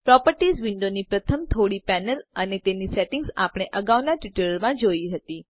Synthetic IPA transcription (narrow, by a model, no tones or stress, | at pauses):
pɾɔpəɾʈizʋɪɳɖonipɾət̪ʰəmt̪ʰoɽipɛnələnet̪eniseʈɪŋɡsapɽ̃eʔəɡaʋnaʈiʈələɭmãd͡ʒoiɦət̪i